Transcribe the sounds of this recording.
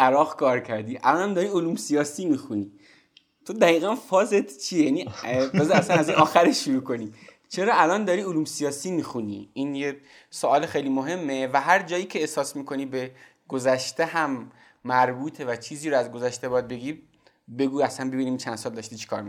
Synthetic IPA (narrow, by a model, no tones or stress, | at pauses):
ʔæɾɒːɣkʰɒːɾcʰæɾd̪iːʔæ̰lɒːnæmd̪ɒːɾiːoluːmsijɒːsiːmixuniː | t̪ʰod̪æɣiːɣænfɒːzet̪t͡ʃʰiejænibezæsænæzinʔɒːxæɾeʃːuɾuːko̞ni | t͡ʃʰeɾɒːælɒnd̪ɒɾiːoluːmsijɒːsiːmiːxunḭinje | soɒːlexejliːmoɦe̞mːevæɦæɾd͡ʒɒːjiːcʰe̞ːhsɒːsmiːkʰo̞niːbe | ɡ̥ozæʃt̪eɦæmː | æɾbuːt̪ʰevæt͡ʃʰiːziːɾoæzɡozæʃt̪ebɒːjæd̪̚be̞ɡiː | be̞ɡuːæsænbe̞biːniːmt͡ʃʰænd̪̥sɒːld̪ɒʃt̪iːt͡ʃʰe̥kʰɒːɾmi